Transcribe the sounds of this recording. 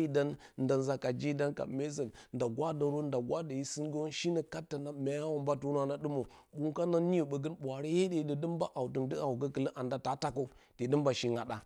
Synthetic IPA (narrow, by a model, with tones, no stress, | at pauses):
i˦da˦nnda˨nza˨ka˨d͡ʒi˦da˦nka̰˨me˦zə˨nnda˨ɡwʷa˦də˨ɾo˦nda˨ɡwa˦da˨ji˦sɨ˦ŋɡə˦wo˦nʃi˦nə˨ka˦tːa˨na˦˨mʲa˨ja˦wo˨mba˦tu˦n˦a˨na˦ɗɨ˦mo˨bu˦ŋka˦na˦nːi˦jo˨ɓə˨ɡə˦nɓʷa˨ɾi˦je˦de˨də˨də˦mba˦ʔa˨wtə˨ndə˦a˨u˨ɡə˦kə˨lə˦ʔa˨nda˦ta˨ta˦ko˦te˨də˦mba˨ʃi˦ŋa˨ɗa˨